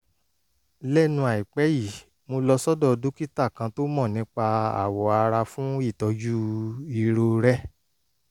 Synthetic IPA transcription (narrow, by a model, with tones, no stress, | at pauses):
lɛ˦˨nũ˧a˨i˨k͡pɛ˨˦ji˦˨ | mo˧lɔ˧sɔ˦dɔ˦˨˧dũ˦ki˦ta˦˨kã˧to˦mɔ̃˦˨nĩ˨˦k͡pa˧a̰˨wɔ˨˦a˧ɾa˧fũ˦i˦˨tɔ˨˧d͡ʒu˦i˧ɾo˧ɾɛ˦